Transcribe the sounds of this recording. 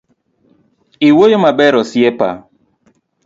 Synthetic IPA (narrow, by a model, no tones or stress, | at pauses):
iwojomabɛɾɔsjɛpa̰